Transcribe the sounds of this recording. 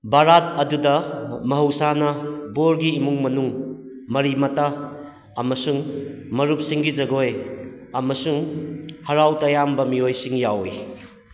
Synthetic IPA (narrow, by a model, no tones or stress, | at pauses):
baɾat̚ɐdudɐmɐɦɐwsanɐboɾɡiːmuŋmɐnuŋ | mɐɾimɐtaː | mɐsuŋmɐɾup̚siŋɡizɐɡoj | ɐmɐsuŋhɐɾawtɐjambɐmiojsiŋjawḭ